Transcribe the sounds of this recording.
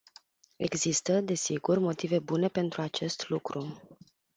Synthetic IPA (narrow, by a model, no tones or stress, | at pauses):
e̞̰ɡzist̪əd̪e̞siɡurmo̞t̪ive̞bune̞pe̞nt̪ɾuat͡ʃe̞st̪lukɾu